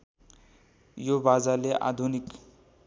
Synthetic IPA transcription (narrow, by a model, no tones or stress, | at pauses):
jobad͡zaleʔa̰d̪ʱunik